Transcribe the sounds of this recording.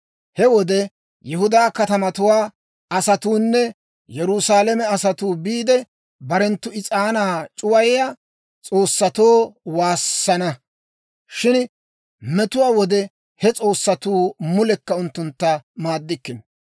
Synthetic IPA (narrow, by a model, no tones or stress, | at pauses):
hɛwɔd̪ɛ | jɛɦʊd̪aːkɐt̪ɐmɐt̪ʊwaː | ɐsɐt̪uːnːɛ | jɛɾʊsaːlɛmɛɐsɐt̪uːbiːd̪ɛ | bɐɾɛnt̪ːʊɪt͡sʼaːnaːt͡ʃʼʊwɐjɛja | t͡sʼo̞ːsːɐt̪oːwaːsːɐnɐ | ʃɪn | mɛt̪ʊwaːwɔd̪ɛ | hɛt͡sʼo̞ːsːɐt̪uːmʊlɛkːɐʊnt̪ːʊnt̪ːɐmaːd̪ːɪkːɪn